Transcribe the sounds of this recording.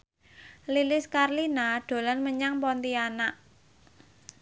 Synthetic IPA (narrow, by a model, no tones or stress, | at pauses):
lilɪskarlinaɖ̪̥o̤lanməɲaŋpɔnt̪ianaʔ